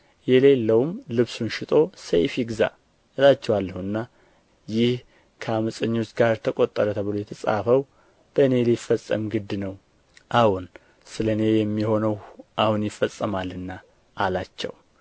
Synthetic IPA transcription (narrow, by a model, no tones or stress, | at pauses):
jɛle̞lːəwumlɨβsunʃɪt̪ʼo̞sḛjfiɡza̰ | ɨlat͡ʃːɛwalːəhuɨnːa | jɪh | kʰəaməsʼəɲːot͡ʃɡaɾt̪ʰəkʼo̞t̪ʼːəɾət̪ʰəβɨlojɛt̪ʰəsʼa̰fəw | b̥əɨne̞lijfəsʼːə̰mɡɨd̪ːnəw | ʔawʊn | sɨləne̞jɛmːiho̞nəwʔahunjɪfəsʼːəmalɨnːa | ʔːlat͡ʃːɛ̰w